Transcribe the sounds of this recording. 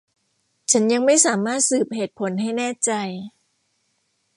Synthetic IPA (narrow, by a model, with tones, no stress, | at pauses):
t͡ɕʰa˦˥nja˧ŋma˥˩jsaː˩˦maː˥˩t̪̚sɯː˨˩p̚ɦeː˨˩t̪̚pʰo˩˦nɦa˥˩jnɛː˥˩t͡ɕa˧j